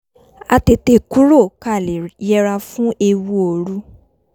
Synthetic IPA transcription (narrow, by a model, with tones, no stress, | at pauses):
a˧te˧te˦˨ku˦ɾo˦˨ka˦˨jɛ˧ɾa˧fũ˦ʔe˧wu˦o˨ɾu˦